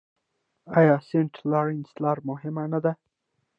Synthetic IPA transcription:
ɑjɑseɳʈlɑɾɪnslɑɾmʊɦɪmanad̪a

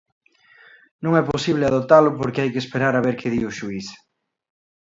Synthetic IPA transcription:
nõŋɛposiβ̞lɪaðot̪alʊpoɾkɪajkespeɾaɾaβeɾkʰɪðiʊʃuiθ

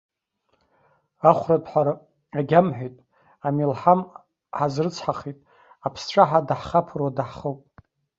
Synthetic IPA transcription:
aχʷradʰʼħʷaɾa | aɡʲamħʷᶣejtʼ | amilħam | ħazrɨt͡sʰħaχitʼ | apʰsʈ͡ʂʷʰʼaħadaħχapʰrwadaħχəpʼ

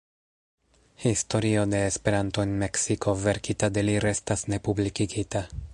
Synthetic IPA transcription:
histo̞ɾio̞de̞ːspe̞ɾanto̞enme̞ksikʰo̞ve̞ɾkitad̪e̞liɾe̞stasne̞publikikita

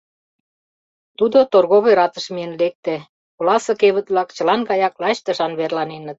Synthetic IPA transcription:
t̪ud̪ot̪orɣoβejɾɑt̪ə̆ʃmiə̆nlek̚t̪æ | kolɑsɤ̆keβə̆t̪βlɑkt͡ɕə̆lɑnɡɑjɑklɑɕt̪ə̆ʃɑnβerlɑnenə̆t̪̚

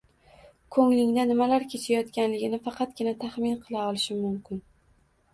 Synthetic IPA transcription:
kʰɵŋlɪŋd̪anɪmalaɾkʲʰe̞t͡ʃʰajɒt̪kʲanlɪɡʲɪnɪfɑqʰɑt̪̚ɡʲɪnat̪ʰaχmɪnqʰɨlˠaɒlˠɪʃɪmʊmkʲɪn

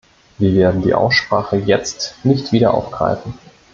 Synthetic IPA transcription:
viːɐveːɐdn̩dḭːʔa̰ʊsʃpʁ̥aːχəjɛt͡stnɪçtv̥iːɾɐʔa̰ʊfɡ̥ʁ̥a̰ɪfn̩

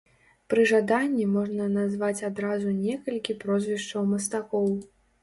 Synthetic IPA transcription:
pɾɨʐad̪anʲːimɔʐnɐnazvat͡sʲad̪ɾazunʲɛkɐlʲkʲipɾɔzʲvʲiʂt͡ʂɐwmɐst̪akɔw

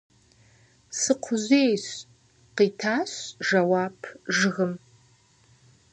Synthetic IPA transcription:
sɨqʷʰʊzʷejɕ | qitʰaɕʒɐwapʰʐɨɣəm

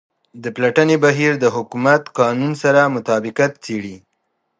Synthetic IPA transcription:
d̪əplaʈənebaɦiɾd̪əɦʊkumat̪qɑnunsaɾamʊt̪ɑbɪqat̪t͡seɽi

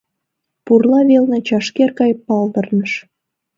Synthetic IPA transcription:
purlɑβelnet͡ɕɑʃkerkɑjpːɑld̪ərnəʃ

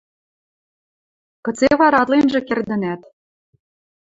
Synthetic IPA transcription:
kɤ̆t͡seβɑɾɑt̪lenʒĕkerd̪ə̆næt̪

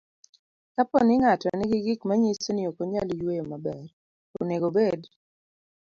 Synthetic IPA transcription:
kapɔnɪŋatɔnɪɡɪɡɪkmaɲisoniokoɲalijwejomabɛr | o̰neɡobed

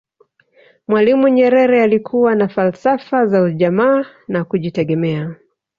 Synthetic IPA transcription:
mwalimuɲɛɾɛɾɛalikʰuwanafalsafazauʄamaː | nakuʄitɛɠɛmɛa

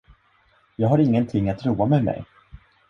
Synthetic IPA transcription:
jɑːɡɦaɾɪŋːənt̪ʰɪŋːat̪ɾuːamɛmɛ̰j

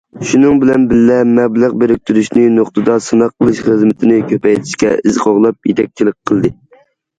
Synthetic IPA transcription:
ʃunɨŋbɪlɛnbɪlːɛmɛblˠəʁbeɾɪk̚ʲt̪ʰyɾyʃnɪnoχt̪ɨd̪ɑsɨnɑqʰːəlˠɨʃχəzmɪt̪ʰɪnɪkʲʰøpɛjt̪ʰɪ̥ʃkʲɛ̰ɪzqoʁlˠɑp̚jet̪ʰɛk̚ʲt͡ʃʰilˠɨk̚ʲqʰːəlˠd̪ɨ

